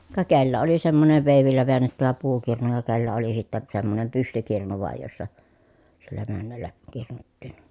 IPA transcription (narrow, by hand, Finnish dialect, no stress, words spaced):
kɑ kelːæ oli semːoseʋ ʋeˑiʋilːæ ʋeænːetːæʋæ puːkirnu jɑ kelːæ oli sitːæ semːonem pystykirnu ʋɑˑij josːɑ silːæ mænːælːæ kirnutːiːn